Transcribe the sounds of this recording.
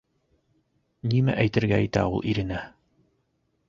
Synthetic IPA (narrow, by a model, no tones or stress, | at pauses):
nimæ̰ʔæjt̪ɘ̆ɾɡææjt̪æulˠʔiɾɘ̆næ